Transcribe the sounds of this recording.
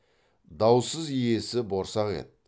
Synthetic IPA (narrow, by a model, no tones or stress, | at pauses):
d̪ɑwsəzije̞sɪbo̞ɾsɑʁḛt̪̚